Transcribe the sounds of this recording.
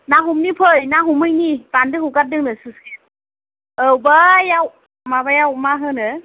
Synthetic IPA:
naɦumnipʰɯjnaɦumɯjnipandɯŋhukat̚dɯŋnɯsɯske | ɯwbajaw | mabajawmaɦɯnɯ

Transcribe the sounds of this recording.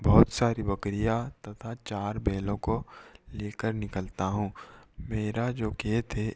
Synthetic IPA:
bɔɦʊt̪saːɾibɐkɾijat̪ɐt̪ʰat͡ʃaːɾbeːlõkoleːkəɾnɪkəlt̪aɦũːmeːɾad͡ʒoːkeːt̪ʰe

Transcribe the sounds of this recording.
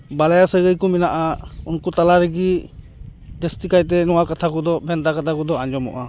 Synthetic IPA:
balajasəɡɯjkuminaʔaunkutalaɾiɡi | destikajt̬ɛnɔwakatʰakɔd̪ɔbʱɛntakat̪ʰakɔd̪ɔand͡ʒɔmɔ̰ʔa

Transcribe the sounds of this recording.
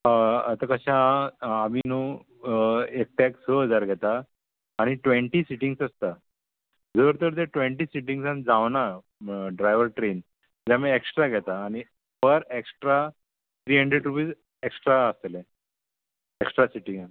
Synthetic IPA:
ət̪akəɕãː | minu | ek̚ʈɛksəɦəd͡zaɾɡʱɛt̪aː | ɽ̃iʈʋẽɳʈisiʈiŋɡsəst̪a | d͡zəʋɾt̪əɾt̪eʈʋeɳʈiːsiʈ̬iŋɡsãnd͡zaʋna | ɖɾajʋəɾʈɾen | d͡ʑamieksʈɾaɡʱɛt̪aːñi | pəɾeksʈɾa | t̪ʰɾiːɦəɳɖɾeɖɾupiːs | eksʈɾaəst̪lẽ | eksʈɾasiʈĩŋãn

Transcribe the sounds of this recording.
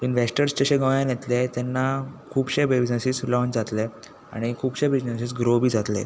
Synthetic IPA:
inʋesʈəɾst͡ɕeɕə̃ɡəjãnjet̪let̪ɛnːakʰuːbɕebid͡ʑnəsislɔɲt͡ɕd͡zat̪le | a̰ɽ̃ikʰuːbɕebɾid͡ʑnesisɡɾobʱiːd͡zat̪lḛ

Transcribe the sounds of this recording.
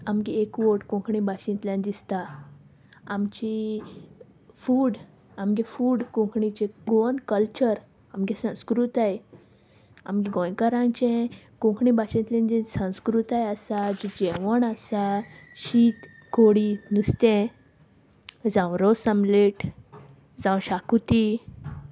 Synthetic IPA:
amɡiekʋoʈkũkʰɳibaɕĩnt̪ljãnd̪ist̪aː | mt͡ɕi | fuːɽ | amɡɛfuːɽkũkʰɳit͡ɕeɡonkəlt͡ɕəɾ | amɡɛsə̃wskɾut̪aj | a̰mɡiɡɔ̃jkəɾãnt͡ɕɛ̃kũkʰɳibaɕẽt̪lĩnd͡ʑĩsə̃w̃skɾut̪ajəsad͡ʑid͡ʑɛʋəɳasaɕit̪ | koɽinust̪ẽ | d͡zãwɾɔsəmleʈ | d͡zãwɕakut̪i

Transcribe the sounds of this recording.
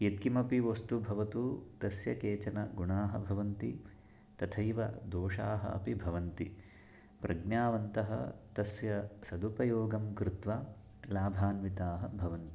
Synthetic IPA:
jet̪̚kimɐpiʋɐst̪ubʱɐʋɐt̪ut̪ɐsjɐkeːt͡ʃɐnɐɡuɳaːɦɐbʱɐʋɐnt̪i | t̪ɐt̪ʰɐjʋɐ̰d̪oːʂaːɦɐ̰ɐ̰pibʱɐʋɐnt̪i | pɾʔɐɡnjaːʋɐnt̪ɐɦɐ̰t̪ɐsjɐsɐd̪upɐjoːɡɐmkɾɪt̪ʋa | laːbʱaːnʋit̪aːɦɐbʱɐʋɐnt̪i̥

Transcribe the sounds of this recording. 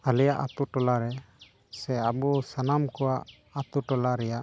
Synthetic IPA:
alɛjaʔa̰t̪uʈɔlaɾɛ | sɛabusanamkɔwaʔ | at̪uʈɔlaɾɛjaʔ

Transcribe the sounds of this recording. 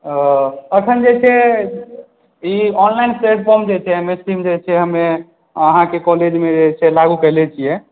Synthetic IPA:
əkʰənd͡ʒet͡ʃʰɛ | iɔnlainsɾeʈ̚pʰɔɾmd͡ʒet͡ʃʰɛɦəmesʈimd͡ʒet͡ʃʰɛɦəme | əɦãkekɔled͡ʒmed͡ʒet͡ʃʰɛlaɡukəɦlɛt͡ʃʰijɛ

